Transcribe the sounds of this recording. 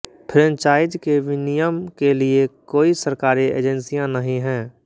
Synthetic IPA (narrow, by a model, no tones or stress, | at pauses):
pʰɾɛ̃nt͡ʃaːɪd͡ʒkeʋɪnijəmkeliekoːisəɾkaːɾiḛːd͡ʒə̃nsijãnɐɦĩɦɛ̃ː